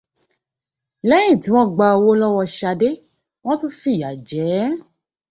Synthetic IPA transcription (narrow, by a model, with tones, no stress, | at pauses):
lɛ˦jĩ˦˨tĩ˨˦w̃ɔ̃˦ɡ͡ba˧o˧wo˦lɔ˦wɔ˧ʃa˧de˦ | w̃ɔ̃˦tũ˦fi˦˨ja˨d͡ʒɛ˨˦